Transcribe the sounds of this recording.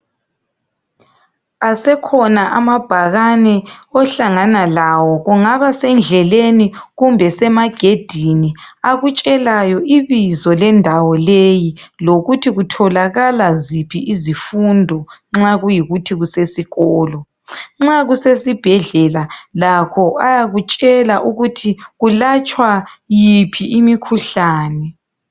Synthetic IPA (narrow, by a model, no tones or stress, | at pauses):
asɛkʰɔnaʔamab̥ʱaɣanɛɔɬaŋanalawɔɣuŋaβasɛnd͡ɮʱɛleniɣumbʱɛsɛmaɡ̥ʱed̥ʱiniaɣut͡ʃʼɛlajɔʔiβizɔlɛndʱawɔlejiloɣutʰiɣutʰɔlaɣalazipʰiʔizifundʱɔŋ͡ǁaɣujiɣutʰiɣusesiɣɔːlɔ | ŋ͡ǁaɣusesib̥ʱɛɮɛlalakʰɔajaɣut͡ʃʼɛlaʔuɣutʰiɣulat͡ʃʼwajipʰiimikʰuɬaːnɛ